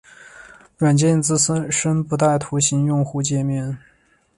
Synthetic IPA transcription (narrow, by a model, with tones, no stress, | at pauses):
ɻwa˨˩nt͡ɕjɛ˥˧nt͡sɹ̩˥˧sə˥ʂə˥npu˧˥t̪a˥˩ɪt̪ʰu˧˥ɕi˧˥njʊ˥˧ŋxu˥˧t͡ɕjɛ˥˧mjɛ˥˩n